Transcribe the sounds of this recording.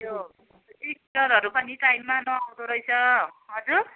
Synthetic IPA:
jo | ek̚ʈʌɾɦʌɾupʌniʈajmːanʌawd̪oɾʌjt͡sʰʌɦʌd͡zur

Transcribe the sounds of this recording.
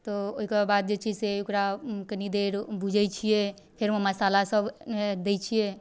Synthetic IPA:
t̪ɔoɦikəbad̪̚d͡ʒet͡ʃʰiseokɾakənid̪eɾbud͡ʒʱɛjt͡ʃʰijɛ | pʰeɾmeməsalasəbmed̪et͡ʃʰije

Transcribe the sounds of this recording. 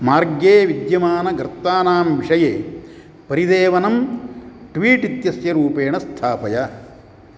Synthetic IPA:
maːɾɡjeːʋid̪jɐmaːnɐɡɾt̪ːaːnaːmʋiʂɐjeː | pɐɾid̪eːʋɐnɐm | ʈʋiːʈit̪jɐsjɐɾuːpeːɳɐst̪ʰaːpɐja

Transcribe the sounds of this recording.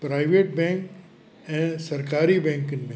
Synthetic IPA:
pɾaːɪʋeːʈ̚bɛ̃ːŋk | ɛ̃ːsɐɾkaːɾibɛ̃ːŋkɪnmẽ

